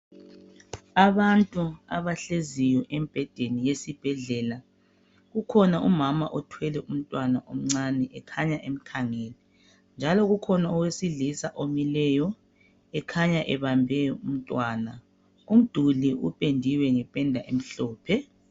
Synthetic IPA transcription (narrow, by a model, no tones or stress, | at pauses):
aβantʼuaβaɬezijɔʔemb̥ʱɛd̥ʱenijesib̥ʱɛɮɛːla | ɣukʰɔnaʔumamaʔɔtʰwɛlɛum̩tʼwanaʔom̩ŋ͡ǀanɛʔɛkʰaɲaʔem̩kʰaŋɛli | nd͡ʒʱalɔɣukʰɔnaɔwesiɮisaʔomilɛjɔ | ɛkʰaɲaʔɛβambʱɛjɔum̩tʼwaːna | um̩d̥ʱuliṵpʼendʱiwɛŋɛpʼɛndʱaʔem̩ɬɔːpʰɛ